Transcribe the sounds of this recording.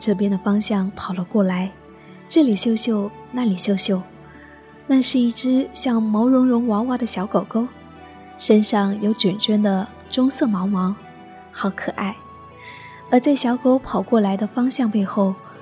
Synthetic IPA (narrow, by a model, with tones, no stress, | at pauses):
ʈ͡ʂɤ˥˩p̬jɛ˥nd̪ə˨fɑ˥ŋɕjɑ˥˩ŋpʰɑ˨˩ʊlə˦kwɔ˥˩la˧˥ɪ | ʈ͡ʂɤ˥˩li˨˩ɕjo˥˧ʊɕjo˥˧ʊ | na˥˩li˨˩ɕjo˥˧ʊɕjo˥˧ʊ | na˥˧ʂɻ̩˥˧i˥˩ʈ͡ʂɻ̩˥ɕjɑ˥˩ŋmo˧˥ʊɻʊ˧˥ŋɻʊ˧˥ŋwɑ˧˥ŋwa˧˥d̪ə˨ɕjɑ˧˥ʊko˨˩ʊko˥ʊ | ʂə˥nʂɑ˥˩ŋjo˧˥ʊʈ͡ʂɥɛ˨˩nt͡ɕɥɛ˥nd̪ə˨ | ʈ͡ʂʊ˥ŋsɤ˥˩mɑ˧˥ʊmɑ˧˥ŋ | xɑ˧˥ʊkʰɤ˨˩ʔa˥˩ɪ | ə˞˧˥t͡sa˥˩ɪɕjɑ˧˥ʊko˥ʊpʰɑ˨˩ʊkwɔ˥˩la˧˥ɪd̪ə˧fɑ˥ŋɕjɑ˥˧ŋpe˥˧ɪxo˥˩ʊ